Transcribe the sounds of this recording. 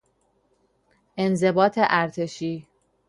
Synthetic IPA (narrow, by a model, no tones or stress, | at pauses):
ʔe̞nze̞bɒːt̪ʰeʔæɾt̪ʰe̞ʃiː